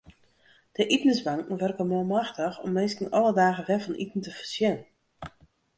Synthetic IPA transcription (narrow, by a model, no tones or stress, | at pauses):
d̥əʔitnəsbaŋkŋ̩ʋørkəmolˠmaxtəxɔ̰mːeːskənʔɔlˠədaːɣəʋɛfɔnʔitn̩təfərsjɛnən